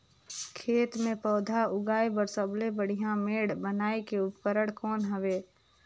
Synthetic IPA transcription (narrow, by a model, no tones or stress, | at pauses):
kʰeːt̪mẽpɔːd̪ʱaʊɡaːebəɾsəblebəɽ̤ijãmeːɽbənaːekeʊpkəɾəɽkɔːnɦəʋeː